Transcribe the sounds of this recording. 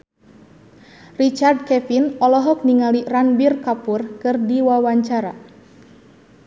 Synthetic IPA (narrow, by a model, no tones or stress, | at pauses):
rit͡ʃard̚kɛfinɔlɔɦɔk̚niŋaliranbirkapurkɨrdiwawaɲt͡ʃaɾa̰